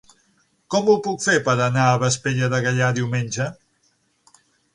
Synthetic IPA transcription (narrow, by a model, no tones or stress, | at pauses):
kɔmupukfepəɾənaəβəspeʎəðəɣəʎaðiwmenʲd͡ʒə